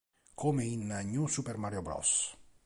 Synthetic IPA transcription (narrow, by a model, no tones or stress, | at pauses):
kʰomeinaɲusupeɾmaɾjobɾɔ̰s